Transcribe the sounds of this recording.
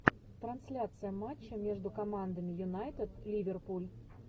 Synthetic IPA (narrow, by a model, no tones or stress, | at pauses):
t̪ɾɐnsʲlʲat̪sɨjɐmat͡ʃːɐmʲɛʐd̪ukɐmand̪ɐmʲijunajt̪ɨt̪lʲivʲɛrpulʲ